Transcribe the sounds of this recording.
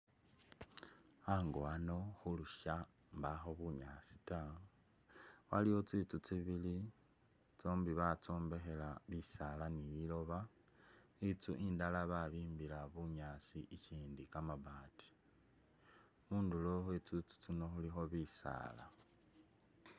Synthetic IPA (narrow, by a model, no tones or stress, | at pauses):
aŋɡoano̞xuluʃa | mbaxo̞βuɲasi̥ta | waliwo̞t͡sit͡sut͡siβili | t͡soːmbiβat͡soːmbe̞xe̞laβisalanijilo̞βa | it͡sṵʔiːndalaβaβiːmbilaβuɲaːsiʔit͡ʃiːndikamaβaːti̥ | muːnduloxet͡sut͡su̥t͡sino̞xulixo̞βisa̰ːla̰